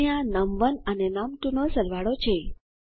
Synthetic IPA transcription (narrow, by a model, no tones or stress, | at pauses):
jãnəmʋənənenəmʈunosəlʋaɽot͡ʃʰe